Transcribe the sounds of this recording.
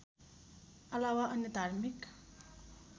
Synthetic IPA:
ʔəlawaʔənid̪ʱaɾmik

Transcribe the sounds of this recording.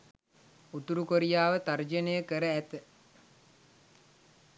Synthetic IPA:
ut̪uɾukoɾijaːʋət̪ard͡ʒənejəkəɾəæt̪ə

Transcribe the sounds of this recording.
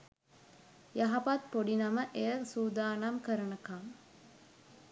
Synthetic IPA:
jɐɦɐpɐt̪̚poɖinɐməʔejəsuːd̪aːnamkəɾɐnɐkam

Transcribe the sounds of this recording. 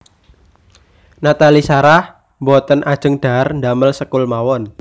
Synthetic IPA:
nat̪alisaɾah | mbɔt̪ənʔad̥ʒ̥ə̤ŋɖ̪̥a̤rnd̪aməlsəkʊlmawɔn

